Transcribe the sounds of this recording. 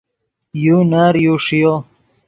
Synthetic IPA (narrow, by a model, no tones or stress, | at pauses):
junaːɾjuːʂijoː